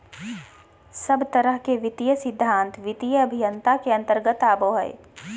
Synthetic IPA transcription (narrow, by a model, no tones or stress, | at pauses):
səbt̪ɐɾəɦkeʋɪt̪ijəsɪd̪ʱːãːnt̪ʋɪt̪ijəɐbʱijənt̪akeɐ̃nt̪əɾɡət̪aːboːɦɛ̰ḛ